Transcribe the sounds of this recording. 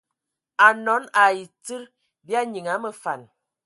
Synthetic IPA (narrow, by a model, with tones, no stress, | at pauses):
a˨nɔ˨˦na˨ji˨t͡sɨ˦ɾ | bi˦a˦ɲi˨ŋa˨˦mə˨fa̰˨n